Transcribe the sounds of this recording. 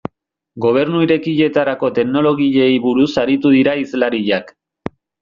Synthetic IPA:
ɡo̞β̞e̞ɾnuiɾe̞kiʎe̞t̪aɾako̞t̪e̞kno̞lo̞ɣiʎe̞jβuɾusaɾit̪uðiɾaizlaɾiʎak

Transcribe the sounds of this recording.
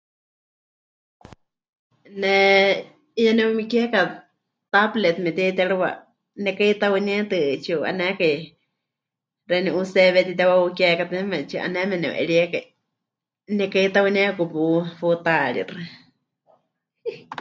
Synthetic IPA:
nɛ | ijanɛwumikɛka | t̪ablɛt̪mɛt̪ɛt̪ɛɺɨwa̰ | nɛkait̪awɨnɛt̪ɨt͡ʃiuʔa̰nɛkai | rɛniʔusɛβɛt̪it̪̬ɛwaukjɛkat̪ɨmɛt͡ʃiʔa̰nɛmɛnɛ̃ṵʔɛ̰ɺiɛkai | nɛkait̪awɨnakupufut̪aɺḭrɨ

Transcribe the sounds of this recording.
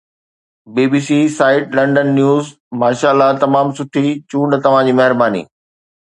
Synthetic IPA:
biːbiːsisaːɪʈlɐ̃ɳɖənːjuːz | maːʃaːɪlːat̪ɐmaːmsʊʈʰit͡ɕũːɳɖt̪ɐʋ̤ãd͡ʑiːmɐɦɪɾbaːnḭː

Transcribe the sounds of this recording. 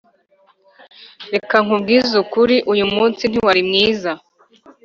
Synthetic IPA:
ɾe̞kaŋubɡiːzukuɾiʔujumuːnsin̥iwaɾimŋiːza

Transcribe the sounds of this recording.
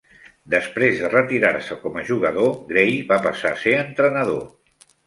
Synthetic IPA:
d̪əspɾezðərət̪iɾaɾsəkɔməʒuɣəðoɣɾejβapəsaseənt̪ɾənəðo

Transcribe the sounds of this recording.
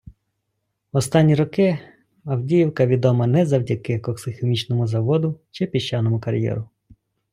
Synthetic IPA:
ɔst̪ɑnʲːiɾɔkɪ | ɐwdʲijiwkɐʋʲid̪ɔmɐnɛzɐwdʲɐkɪkɔksɪxemʲit͡ʃnɔmʊzɐʋɔd̪ʊt͡ʃɪpʲiʃt͡ʃːɑnɔmʊkɐɾʲjɛ̰ɾʊ

